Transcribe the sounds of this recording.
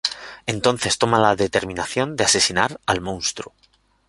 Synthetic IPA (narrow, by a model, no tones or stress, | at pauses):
e̞nt̪o̞n̟θe̞st̪o̞malaðe̞t̪e̞ɾmĩnaθjo̞nd̪ease̞sinaɾalmõ̞nst̪ɾu